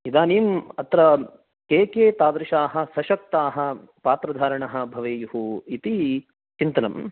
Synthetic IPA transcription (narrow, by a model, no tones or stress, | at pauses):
id̪aːniːmɐt̪ɾɐ | keːkeːt̪aːd̪ɾɪʃaːɦɐ̆sɐʃɐk̚t̪aːɦɐ̆ | paːt̪ɾɐd̪ʱaːɾɐɳɐɦɐ̆bʱɐʋeːjuɦuit̪i | t͡ʃint̪ɐnɐ̰m